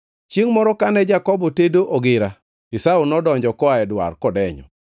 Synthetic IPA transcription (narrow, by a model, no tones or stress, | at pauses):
t͡ʃeŋmɔɾɔkanɛd͡ʒakɔbɔtedoʔɔɡɪɾa | ɪsaunɔdɔɲd͡ʒɔkɔaɛdwa̰rkɔdɛɲɔ̰